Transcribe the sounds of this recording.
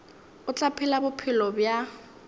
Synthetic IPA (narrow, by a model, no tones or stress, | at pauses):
ʊt͡ɬʼapʰɪlabʊpʰɪlɔbja